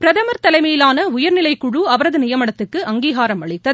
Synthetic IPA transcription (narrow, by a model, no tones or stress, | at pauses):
pɪɾɐðɐmɐɾt̪ɐlɐɪmeːjɪlaːnɐʊjɐɾnɪlɐɪkːʊɻuɐʋɐɾɐðɯnɪjɐmɐɽɐt̪ːɯkːɯʔɐŋɡiːɣaːɾɐmɐɭɪt̪ːɐ